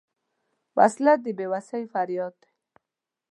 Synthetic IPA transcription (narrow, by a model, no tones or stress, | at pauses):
wa̰slad̪ibewasajfaɾjɔd̪